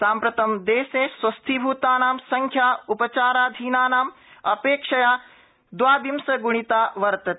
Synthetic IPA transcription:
saːmpɾɐt̪ɐmd̪eːsẽsʋɐst̪ʰibʱuːt̪aːnaːmsɐŋkʰjaːupɐt͡ʃaːɾaːd̪ʱiːnaːnaːm | ɐpeːkʂɐjaː | d̪ʋaːbimsɐɡuɽ̃it̪aːʋɐɾt̪ɐt̪

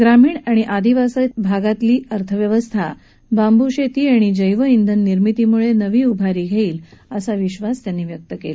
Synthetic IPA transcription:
ɡɾamiːɳaɽ̃iʔad̪iʋasət̪bʱaɡat̪liːəɾt̪ʰəʋjəʋəst̪ʰa | bambuɕet̪iːaɽ̃id͡ʑəjʋəind̪ʱənːiɾmit̪imuɭenəʋiːubʱaɾiːɡʱeiːləsaʋiɕʋast̪janːiːʋjək̚t̪əkel

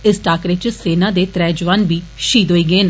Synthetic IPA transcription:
ɪsʈaːkɾɪt͡ʃseːnãːd̪eːt̪ɾɛːd͡ʒʋaːnbiːʃiːd̪oːiːɡeːn

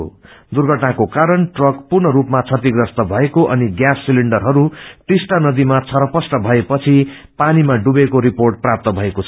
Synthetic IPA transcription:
d̪urɡʱʌʈnakokaɾʌnʈrʌkpurnʌɾupmat͡sʰʌt̪iɡrʌst̪ʌbʱʌekoʔʌniɡjasːiliɳɖʌrɦʌɾut̪esʈ̪anʌd̪imat͡sʰʌɾʌpʌsʈʌbʱʌepʌt͡sʰi | panimaɖubekoɾiporʈ̚prap̚t̪ʌbʱʌekot͡sʰʌ

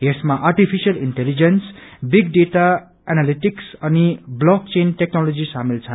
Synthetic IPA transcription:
esmaʔarʈipʰisijʌliɳʈelid͡zensbiɡ̚ɖeʈa | analiʈiksʌniblɔkt͡senʈeknolod͡zisamilt͡sʰʌ

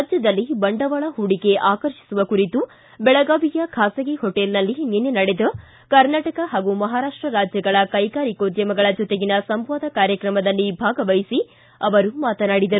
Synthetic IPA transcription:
d͡ʒjɐd̪ɐlːibɐɳɖɐʋɐɭɐɦuɽike̞ʔaːkɐɾʃi̥suʋɐkuɾit̪u | bɛɭɐɡaːʋijɐkʰaːsɐɡiɦoʈelnɐlːininːenɐɽed̪ɐ | kɐɾnaːʈɐkɐɦaːɡumɐɦaːɾaːʂʈɾɐɾaːd͡ʒjɐɡɐɭɐkɐjkaːɾikoːd̪jɐmɐɡɐɭɐd͡ʒɔt̪eɡinɐsɐmʋaːd̪ɐkaːɾjɐkɾɐmɐd̪ɐlːibʱaːɡɐʋɐjsi | ɐʋɐɾumaːt̪ɐnaːɽid̪ɐɾu

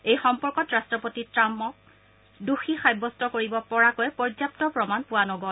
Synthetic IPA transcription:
ejxɔmpɔɹkɔtɹastɹɔpotitɹamːɔk̚ | duxixajbɔstɔkoɹibɔpɔɹakɔjpɔɹd͡ʒjap̚tɔpɹɔmanpuwanɔɡɔl

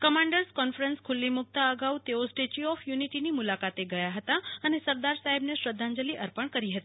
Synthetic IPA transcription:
kəmaɳɖəɾskɔnfɾənskʰʊlːimʊk̚t̪aəɡaut̪eosʈet͡ʃiɔfjuniʈinimulakat̪eɡəjaɦət̪aənesəɾd̪aɾsaɦebneʃɾəd̪ʱːãɲd͡ʒəliʔəɾpəɳkəɾiɦət̪i̥

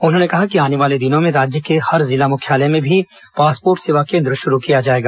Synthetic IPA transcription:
ʊnɦõːnekɐɦakiaːneʋaːled̪ɪnõmẽɾaːd͡ʒjəkehɐɾzɪlamʊkʰjaːlemẽbʱi | paːspoːɾʈseʋakẽːnd̪ɾəʃʊɾukijad͡ʒaːeːɡaː

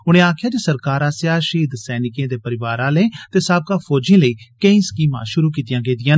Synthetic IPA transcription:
ʊɽ̃ẽːaːkʰɪjaːd͡ʒesəɾkaːɾãːsɪjaːʃiːd̪sɛːnɪkẽːd̪eːpəɾɪʋaːɾãːləeːt̪eːsaːb̚kãːpʰoːd͡ʒẽːləiːkəĩːskiːmã̰ːʃʊɾuːk̬iːt̪jãːɡeːd̪ɪjaːn

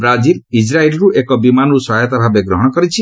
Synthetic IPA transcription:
bɾad͡ʒiɾid͡ʒɾailɾuʔekɔbimanusɔɦajɔt̪abʱabeɡɾɔɦɔɽ̃ɔkɔɾit͡ʃʰi

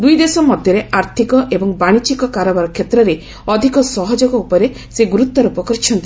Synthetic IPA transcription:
d̪ujd̪esɔmɔd̪ʱjɔɾeaɾt̪ʰikɔʔebɔŋbaɽ̃it͡ʃikɔkaɾɔbaɾɔkʰːet̪ɾɔɾe | ɔd̪ʱikɔsɔɦɔd͡ʒɔɡɔupɔɾe | seɡuɾut̪ːɔɾupɔkɔɾt͡ʃʰɔnt̪i

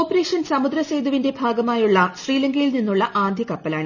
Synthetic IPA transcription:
oːpːɐɾe̞ːʂɐnsɐmud̪ɾɐsejd̪uʋinde̞bʱaːɡɐmaːjuɭːɐɕriːlɐŋɡɐjilninːuɭːɐʔaːnd̪ʱjikɐpːɐlaːɳɨ

